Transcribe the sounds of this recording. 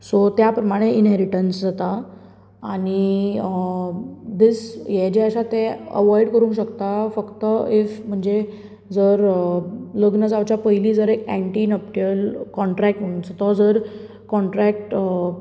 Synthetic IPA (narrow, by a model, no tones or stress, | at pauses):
sot̪japɾəmaɽ̃einɦeɾiʈənsd͡zat̪a | aɽ̃i | d̪isjed͡ʑeəɕat̪eə̰ʋɔjɽkəɾũːŋkɕəkt̪afəkt̪əifm̤əɳd͡ze | d͡zəɾ | ləɡnəd͡zawt͡ɕjapəjliːd͡zəɾekæ̃ɳʈiːnəp̚ʈiəlkɔɳʈɾæk̚ʈm̤əɽ̃ũnt͡sat̪ɔd͡zəɾ | kɔɳʈɾæk̚ʈ